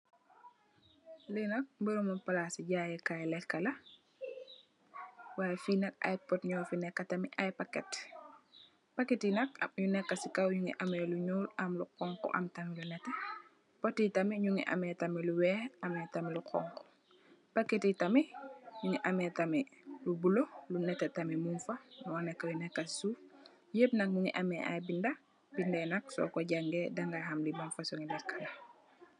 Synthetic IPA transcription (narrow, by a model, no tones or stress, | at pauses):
linɐk̚mbiɾumopalasiɟaːjɛkajlɛkːɐlɐ | wajfinɐka̰jpɔtɲɔːfinɛkːatɐmiʔajpakɛt | pɐkːetinɐka̰mɲunɛkːɐsikawɲuŋḭʔamɛluɲuːlʔɐmluqɔŋkɔ̰ʔɐ̰mtɐmilunɛtɛ | potitamiɲuŋiʔa̰metamiluwɛːhʔametamiluqɔ̰ŋko̥ | pakːetitamiɲuŋiʔametamɛlubulolunɛtetamimunfanuɔnɛkːajunɛkːassuf | jeb̚nɐk̚ɲuŋḭʔameʔa̰jbinda | bindɛnak̚sɔ̰koɟaŋɡedaŋɡahamlimunfasoŋilakːala